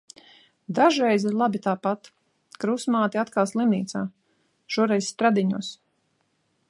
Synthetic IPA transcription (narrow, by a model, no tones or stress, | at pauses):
d̪aʒɾɛjziɾlˠabit̪aːpat̪ | kɾusmaːt̪iat̪kalˠslˠimniːt̪saː | ʃuɔɾɛjsst̪ɾad̪iɲuɔs